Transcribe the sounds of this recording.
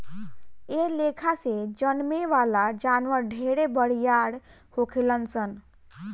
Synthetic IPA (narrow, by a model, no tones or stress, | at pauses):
elekʰased͡ʑənmeʋalad͡ʒanʋəɾɖʱeɽebəɽjaɽ | hokʰelənsən